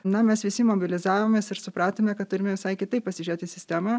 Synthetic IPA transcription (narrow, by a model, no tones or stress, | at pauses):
nɐmʲɛsʋʲɪsʲɪmoːbʲɪlʲɪzɑːʋoːmʲeːsɪɾsʊpɾɑːt̪oːmʲɛkɐt̪t̪ːʊɾʲɪmʲɛʋʲɪsɐɪkʲɪt̪ɐɪpɐsʲɪʒʲeːt̪ʲɪsʲɪsʲt̪ʲæːmɐ